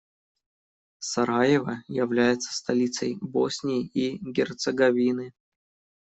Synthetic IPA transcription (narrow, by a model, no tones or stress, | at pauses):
sɐɾajɪvəjɪvlʲæjɪt̪sə̥st̪ɐlʲit̪səjbosʲnʲɪːiɡʲɪrt̪səɡɐvʲinɨ